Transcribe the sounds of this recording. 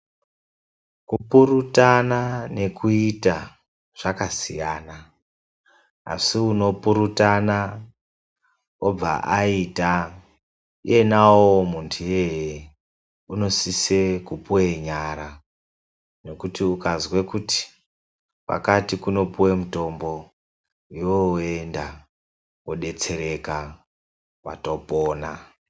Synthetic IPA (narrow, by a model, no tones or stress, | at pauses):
kupurutanane̞kʰuita | ʐ̥akasḭjaːna | a̰siuno̞puɾutana | ob͡va̰ʔaita | ie̞nawomuntʰuje̞je | uno̞sise̞kupuweɲaɾa | no̞kutiukazwekuti̥ | wa̰katikuno̞puwemuto̞mbo̞ | ijoe̞nda | woɗe̞t͡se̞ɾe̞ka | wa̰to̞po̞ːna